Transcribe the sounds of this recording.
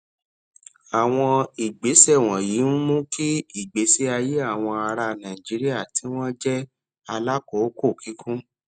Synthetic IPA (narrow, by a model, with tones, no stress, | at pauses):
a˨w̃ɔ̃˧i˨ɡ͡be˨˦sɛ˦˨w̃ɔ̃˨jiː˨˦n̩˦mũ˦kʰi˦i˦˨ɡ͡be˨˦si˦a˧je˦a˦˨w̃ɔ̃˧a˧ɾa˧nã˨i˨d͡ʒi˨˦ɾi˦a˦˨ti˨˦w̃ɔ̃˦d͡ʒɛ˦ | a˧la˦ko˨˦ko˦˨kʰi˨˦kʰũ˦